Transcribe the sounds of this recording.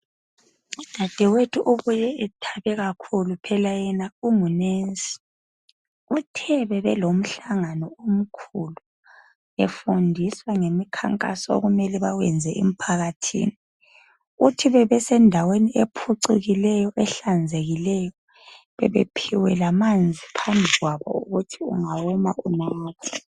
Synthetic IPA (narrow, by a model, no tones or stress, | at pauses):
ud̥ʱad̥ʱɛwetʰuʔuβujɛɛtʰaβɛɣakʰulupʰɛlajɛnaumunensʼi̥ | utʰɛβɛβɛlom̩ɬaŋanɔom̩kʰulu | efundʱiswaŋemikʰa̰ŋkʼa̰sɔo̰ɣumɛlɛβawɛnd͡zʱɛʔḛm̩pʰaɣatʰḭːni | utʰiβɛβɛsɛndʱaweniʔepʰuǀiɣilɛjɔʔɛɬand͡zʱeɣilɛjɔ | βɛ̰βḛpʰiwɛlamand͡zʱipʰambʱiɣwaβɔ̰ṵɣutʰiṵŋawɔmaʔunaːkʰɔ̥